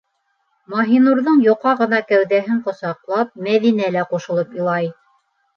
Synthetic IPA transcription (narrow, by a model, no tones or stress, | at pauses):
mɑɦinuɾðɤɴjŏqɑʁɤ̆nɑkæwðæɦɘɴqŏsɑqlˠɑp̚mæðinælæquʃɤ̆lˠɤpolˠɑj